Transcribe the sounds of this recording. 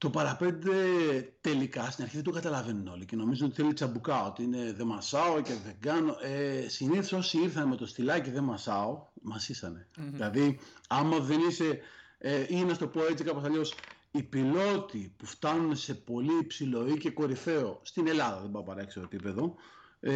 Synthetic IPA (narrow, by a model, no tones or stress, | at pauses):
t̪o̞pɐɾɐpe̞nd̪e̞t̪e̞likɐst̪inɐɾçiðed̪oɡɐt̪ɐlɐve̞nuno̞lice̞no̞mizuno̞t̪i̥θelit͡sɐbukɐo̞t̪iine̞ðe̞mɐsɐoce̞ðe̞ɡɐno̞esiniθoso̞siiɾθɐneme̞t̪o̞st̪ilɐciðe̞mɐsɐomɐsisɐne̞ðilɐðiɐmɐðe̞nise̞ | einɐst̪o̞po̞e̞t͡sikɐpo̞sɐʎo̞s | ipilo̞t̪ipuft̪ɐnunse̞po̞liːpsilo̞ice̞ko̞ɾife̞o̞st̪ine̞lɐðɐðebɐopɐɾekst̪oepipe̞ðo̞